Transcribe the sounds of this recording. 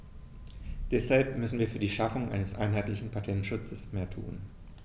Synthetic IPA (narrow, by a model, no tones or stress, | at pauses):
d̥ɛshalpmʏsn̩viːɐfyːɐdiːʃafʊŋʔa̰ɪnəsʔa̰ɪnɦaɪtlɪçn̩pʰatʰɛntʃʊt͡səsmeːɐtʰṵːn